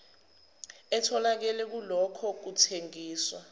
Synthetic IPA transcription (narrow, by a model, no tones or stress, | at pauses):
ɛtʰɔlak̬ɛlɛk̬ulɔkʰɔk̬utʰeŋiːswa̰